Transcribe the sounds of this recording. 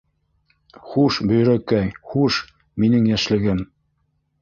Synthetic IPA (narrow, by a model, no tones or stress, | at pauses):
χuʃbɵ̆jɾækæjχuʃ | minɘŋjæʃlɘ̆ɡɘm